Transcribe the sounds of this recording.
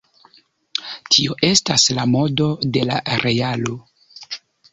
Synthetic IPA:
tʰio̞ʔe̞staslamo̞do̞de̞la̰ɾe̞alo̞

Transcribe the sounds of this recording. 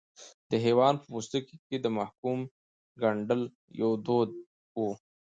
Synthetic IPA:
d̪̥əɦewɑnpəmust̪ikiked̪əmahkum | ɡaɳɖəl | jawd̪od̪̚ | wu

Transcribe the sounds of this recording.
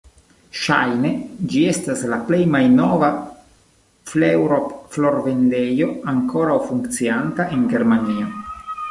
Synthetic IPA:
ʃajne̞d͡ʒie̞staslaple̞jmajno̞va | flewɾopflo̞ɾve̞nde̞jo̞aŋko̞ɾawfuŋkt͡siantaʔeŋɡe̞ɾmanio

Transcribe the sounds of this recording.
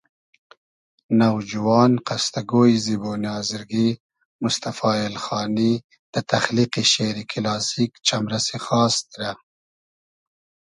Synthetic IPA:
nawd͡ʒuwɑːnqast̪aɡojziboːniɑːzɪɾɡi | mʊst̪afɑːɪlxɑːni | d̪̥ət̪axliqiʃeːɾikʰɪlɑːsikt͡ʃamɾasexɑːst̪̚ɾa

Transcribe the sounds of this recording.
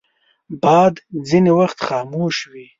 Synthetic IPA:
bɑːd̪zinewaxt̪xɑːmoʃwi

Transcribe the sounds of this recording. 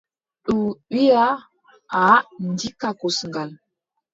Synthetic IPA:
ɗuɓija | andikakosəŋɡal

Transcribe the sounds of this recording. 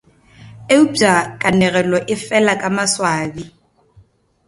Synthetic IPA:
eub͡ʐakʼanɛɣɛlɔʔɪfɛlakʼamaswaːbi

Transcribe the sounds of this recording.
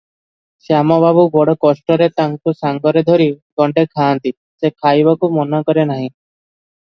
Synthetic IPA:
seamɔbaβubɔɽɔkɔsʈɔɾet̪aŋkusaŋɡɔɾed̪ʱoɾiɡɔɳɖekʰaːnt̪i | sekʰajbɔkumɔnɔkɔɾenaɦĩ

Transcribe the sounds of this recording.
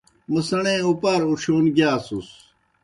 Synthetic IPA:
mɐsɐɳẽupaːɾuɕoːnɡjaːsus

